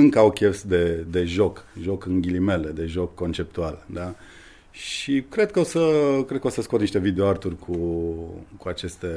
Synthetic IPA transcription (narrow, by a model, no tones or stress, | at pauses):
ɨŋkəawkʲe̞fsd̪e̞d̪e̞ʒo̞kʒo̞kɨnɡʲilime̞le̞d̪e̞ʒo̞kːo̞nt͡ʃe̞p̚t̪uald̪a | ʃikɾe̞d̪̚kəo̞səkɾed̪̚kəo̞səskot̪niʃt̪e̞vid̪eoart̪urʲkʰu | kuat͡ʃe̞st̪e̞